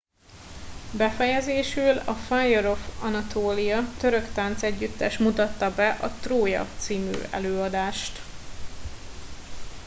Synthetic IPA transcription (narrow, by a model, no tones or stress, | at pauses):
bɛfɛjɛzeːʃylɒfajoɾo̞fɒnɒt̪ʰoːlijɒt̪ø̞ɾø̞kt̪aːnt̪sɛɟːyt̪ːɛʃmut̪ɒt̪ːɒbɛʔɒt̪roːjɒ̰t̪siːmy̰ːʔɛ̰løːɒd̪aːʃt̪